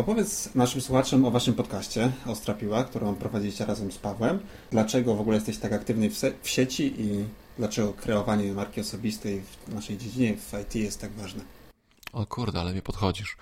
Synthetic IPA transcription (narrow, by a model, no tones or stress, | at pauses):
ɔpɔvʲjɛt̪snaʂɘmswuxat͡ʂɛmɔvaʂɘmpɔt̪kaɕt͡ɕɛɔst̪ɾapʲiwakt̪uɾɔ̃mpɾɔvad͡ʑilʲiɕt͡ɕɛɾʔazɛmspavwɛm | d̪lat͡ʂɛɡɔvɔɡulɛjɛst̪ɛɕt͡ɕt̪akakt̪ɘvnɘfsɛfɕet͡ɕiʔid̪̥lat͡ʂɛɡɔkɾɛɔvaɲɛmaɾkʲiɔsɔbʲist̪ɛjvnaʂɛjd͡ʑed͡ʑiɲɛvajt̪ʰʲijɛst̪ːaɡvaʐnɛ | ɔkʰuɾd̪ɛalɛmʲipɔt̪xɔd͡ʑiʂ